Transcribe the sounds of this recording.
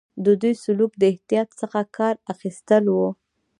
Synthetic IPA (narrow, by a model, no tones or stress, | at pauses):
d̪əd̪ujsʊlukd̪əɪht̪ijɑt̪səxakʰɑɾaxist̪əlwu